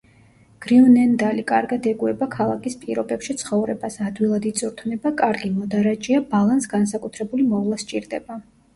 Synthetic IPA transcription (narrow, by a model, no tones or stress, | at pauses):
ɡ̥ɾiunɛnd̪alikʼaɾɡad̪ɛɡuɛbakʰalˠakʼispʼḭɾɔbɛpʃit̪sʰχɔvɾɛbasad̪wilˠad̪it̪sʼuɾt̪ʰvnɛbakʼaɾɡimɔd̪aɾad͡ʒʼiabalˠansɡansakʼut̪ʰɾɛbulimɔvlˠast͡ʃʼiɾd̪ɛba